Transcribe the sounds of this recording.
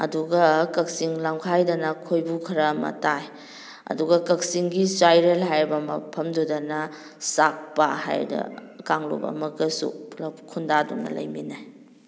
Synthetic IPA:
ɐ̰duɡɐkɐk̚siŋlamkʰajdɐnɐkʰojbukʰɐɾɐmɐ̰taj | ɐ̰duɡɐkɐk̚siŋɡisajɾelɦajbɐmɐpʰɐmdudɐnɐ | sak̚paha̰jdɐ̰kaŋlo̰bɐ̰mɐɡɐsṵlɐkʰundadṵŋnɐ̰lɐ̰jminaj

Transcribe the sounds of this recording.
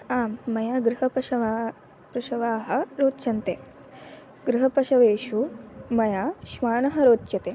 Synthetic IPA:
aːmːɐjaːɡɾuɦɐpɐʃɐʋa | pɾuʂɐʋaːɦɐ̆ɾoːt̪ːʃɐnt̪eː | ɡɾuɦɐpɐʃɐʋeːʃumɐjaːʃʋaːɳɐɦɐɾoːt̪ːʃjɐt̪eː

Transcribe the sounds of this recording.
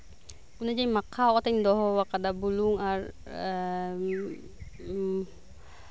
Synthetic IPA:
kunad͡ʒaimakawʔɔt̪and̪ɔɦɔwakadabuluŋar | ə

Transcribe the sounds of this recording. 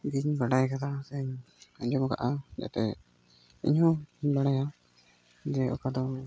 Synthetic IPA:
ɡiɲbaɽajkat̪ʰasɛɲ | aɲd͡ʒɔmɡa̰ʔad͡ʒa̰t̪ɛ | ḭɲɦɔ̃baɽaja | d͡ʒɛɔ̰kad̪ɔ

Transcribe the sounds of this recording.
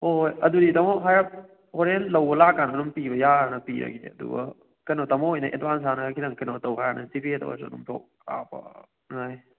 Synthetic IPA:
hojɐduditɐmɔɦajap̚ | hoɾenlɐwbɐlakːanɐnumpibɐjaɾnɐpiɾɐ̰ɡidḛɐdṵbɐ̰ | kɐnotɐmɔojnɐʔetbans̬anɐkʰiɾɐŋkɐnotawɦajanɐsipietɐ̰wa̰s̬dumtʰo̰k̚a̰pɐ̰ | ŋaj

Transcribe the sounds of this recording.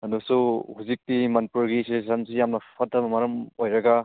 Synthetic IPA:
ɐnusuhuzik̚timɐnpuɾɡisessansijamnɐpʰatːɐbɐmɐɾɐmojɾɐɡa

